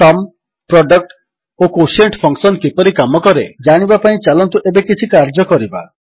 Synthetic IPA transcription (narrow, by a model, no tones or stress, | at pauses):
ʈɔm | pɾɔɖɔk̚ʈ | okoseɳʈpʰɔŋksɔnkipɔɾikamɔkɔɾed͡ʒaɽ̃ibapaĩt͡ʃalɔnt̪uʔebekit͡ʃʰikaɾd͡ʒɔkɔɾiba